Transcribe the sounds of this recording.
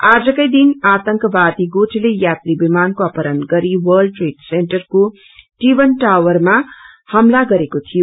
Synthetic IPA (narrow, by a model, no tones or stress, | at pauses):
ad͡zʌkʌjd̪inat̪ʌŋkʌbad̪iɡoʈʰlejat̪ribimankoʌpʌɾʌnɡʌɾiwʌlɖʈreʈseɳʈʌrko | ʈibʌnʈawwʌrma | hʌmlaɡʌɾekot̪ʰijo